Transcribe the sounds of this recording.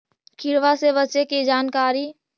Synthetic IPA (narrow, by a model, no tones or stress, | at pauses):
kʰɪɾʋasebət͡ʃekid͡ʒaːnkaːɾi